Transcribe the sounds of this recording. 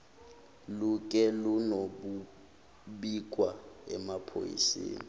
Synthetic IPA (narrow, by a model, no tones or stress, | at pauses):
luk̬ʼɛlunoɓu | ɓik̬ʼwaɛmapʰo̰jḭsḛːni